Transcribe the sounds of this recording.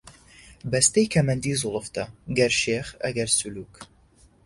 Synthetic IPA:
bɐst̪ejkʰɐmɐnd̪iːzʊlˠɨft̪ʰɐɡɐɾʃeːχɐ̰ɡɐɾsuluːk

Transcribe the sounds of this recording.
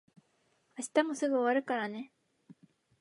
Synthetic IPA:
aɕi̥t̪amo̞sɨɡɯ̟o̞βaɾɯ̟kaɾane̞

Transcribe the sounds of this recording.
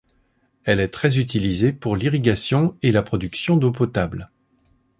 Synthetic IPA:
ɛlɛt̪χɛzyt̪̬ilizepuʁliʁiɡʲasjɔ̃elapχɔd̪yksjɔ̃d̪op̬ɔt̪abl

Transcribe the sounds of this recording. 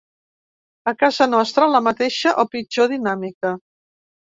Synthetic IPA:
əkazənɔst̪ɾələmət̪eʃəʔopid͡ʒoðinamikə

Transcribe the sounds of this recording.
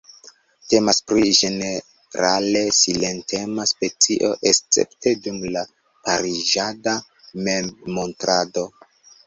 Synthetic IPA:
te̞maspɾiʒe̞ne | ɾale̞sile̞ntʰe̞maspe̞t͡siʔo̞ʔest͡sḛpte̞dumla | paɾiʒada | memmo̞ntɾado̞

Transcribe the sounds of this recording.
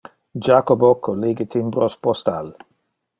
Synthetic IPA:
d͡ʒakobokʰːoliɡət̪ʰimbɾospɔst̪al

